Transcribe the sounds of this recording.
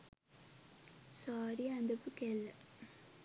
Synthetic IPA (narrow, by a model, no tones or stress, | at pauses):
saːɾiɐnd̪ɐpːɯkeːlːɐ